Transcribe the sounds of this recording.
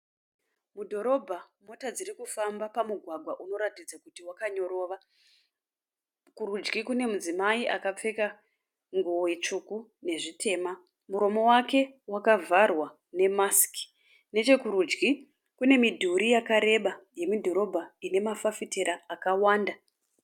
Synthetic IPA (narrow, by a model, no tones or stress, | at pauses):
mudʱo̞ɾo̞bʱamo̞tad͡zirikufambapamuɡʱwaɡʱwaʔuno̞ɾatid͡zakutiwakaɲo̞ɾo̞ːʋa | kuɾud͡ʒɡikune̞mud͡zimaiʔakap͡fe̞ka | ŋɡuoit͡ʂukune̞ʐitʰe̞ːma | muɾo̞mo̞wake̞wakavʱarwa | ne̞maski̥ | ne̞t͡ʃe̞kuɾud͡ʒɡi | kune̞midʱuɾijakaɾe̞ɓaje̞midʱo̞ɾo̞bʱaine̞mafafiteɾaːkawaːnda